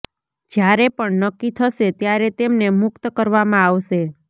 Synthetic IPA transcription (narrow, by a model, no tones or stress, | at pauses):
d͡ʒjaɾepəɳnəkːit̪ʰəʃet̪jaɾet̪emnemʊkt̪kəɾʋamãaʋʃe